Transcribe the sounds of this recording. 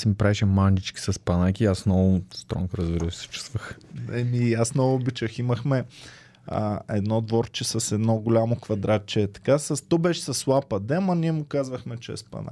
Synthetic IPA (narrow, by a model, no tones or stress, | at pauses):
simipɾaɛʃɛmand͡ʒit͡ʃkʲi̥sɐspɐnakʲiːasnɔvʊst̪ɾɔ̰ŋkɾəzbiɾəfsɛ̥t͡ʃu̥st̪vəxnɛmiasnɔvʊːbit͡ʃəximəxmɛ | ə̰ɛd̪nɔd̪vɔɾt͡ʃɛsɐsɛd̪nɔɡʊlʲamokvɐd̪ɾat̪̚t͡ʃɛːt̪ɐ̥kasɐst̪ɔbɛʃɛ̥sɐslˠapɐd̪ɛmɐniɛmʊkazvəxmɛt͡ʃɛ̰spɐ̰na̰